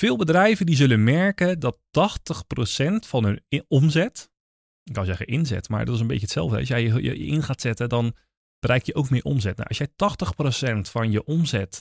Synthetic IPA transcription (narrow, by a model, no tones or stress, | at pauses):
fɪːlˠbədrɛjvədizɵlənmɛɹkədɔtːɔxtəxprosɛntfɔnənomzɛt | kɔzɛɣəʔɪnzɛ̰tma̰ɹdɔ̰tɪsənbḛtətsɛ̰lˠvdəɛɔsjɛjjə̰jə̰ʔɪnxaːtsɛtədɔn | b̥ərɛjk̚jəʔowkmɪːʔo̰mzɛtna̰ʔɔ̰sjɛjtɔxtəxprosɛntfɔnjəʔomzɛt